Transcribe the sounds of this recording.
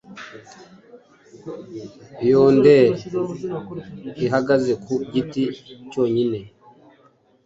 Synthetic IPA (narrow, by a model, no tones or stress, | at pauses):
joːnde | iɦaɡazekuɟiticoːɲine